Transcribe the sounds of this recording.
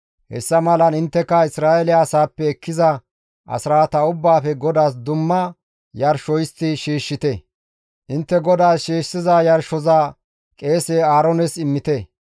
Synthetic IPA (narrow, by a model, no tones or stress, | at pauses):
hɛ̰sːɐmɐlɐnɪnt̪ːɛkːɐɪsɾaːɛlɪjaːsaːpːɛːkːɪzɐ | ʔɐ̰sɾaːt̪ɐʊbːaːfɛɡɔd̪aːs̬d̪ʊmːɐ | jɐɾʃɔjɪst̪ːɪʃiːʃːɪt̪ɛ | ʔɪnt̪ːɛɡɔd̪aːsʃiːʃsɪzajɐɾʃːɔzaː | kʼe̞ːseːaːɾɔnɛsɪmːɪt̪ɛ